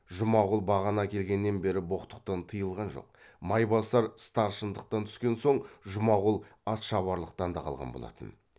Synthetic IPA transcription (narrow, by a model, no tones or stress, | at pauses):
ʒʊmɑʁəlˠbɑʁɑnɑkʲʰe̞lɡʲe̞nːe̞nbe̞ɾɪbo̞qt̪ə̥q̚t̪ɑnt̪ʰəjəlˠʁɑnʒo̞̰q̚ | mɑjbɑsɑɾst̪ɑɾʃənd̪əq̚t̪ɑnt̪ʰʏ̥skʲe̞nso̞ɴʒʊmɑʁəlˠɑt̪ʃɑβɑɾlˠəq̚t̪ɑnd̪ɑqʰɑ̰lˠʁɑ̰nbo̞̰lˠɑ̰t̪ən